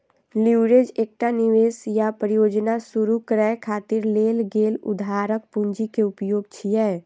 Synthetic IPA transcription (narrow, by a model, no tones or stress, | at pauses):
liɾed͡ʒeːk̚ʈaniʋeːsjapɾəjoːd͡ʒnasuɾukəɾɛjkʰaːt̪ɪɾleːlɡeːlʊ̰d̪ʱaːɾək̚pũɲd͡ʒikeʊpjoːɡ̚t͡ʃʰiɛ